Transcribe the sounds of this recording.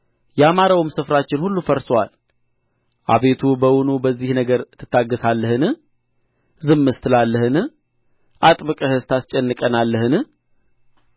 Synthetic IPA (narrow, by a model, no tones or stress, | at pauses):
jɛamaɾawɪmsɨfɾat͡ʃːɪnhulːufəɾsowal | ʔa̰βe̞t̪ʰubəwʊnubəzːihnəɡəɾt̪ʰːɨ̥t̪ːaɡːəsalːəhɨnɨh | zɨmːɨst̪ʰɨlalːəhɨnɨ | ʔat̪ʼbɨkʼəhɨst̪ast͡ʃʼɛnːɨkʼənalːəhɨnɨh